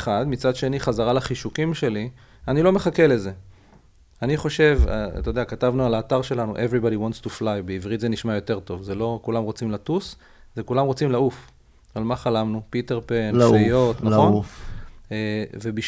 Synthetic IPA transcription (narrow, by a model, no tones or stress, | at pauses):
χad̪mit͡sad̪ʃe̞niχazaʁalaχiʃukimʃe̞li | anilo̞meχake̞le̞ze̞ | aniχo̞ʃe̞va̰t̪oodeakatavnualaːtaʁʃe̞lanṵʔevʁibadiwantstuflajbeivʁitze̞niʃmajo̞te̞ʁt̪o̞vzelo̞kulamʁo̞t͡simlatus | zekulamʁo̞t͡simlauf | almaχalamnupiteʁpenajot̪nalχo̞n | evebiʃ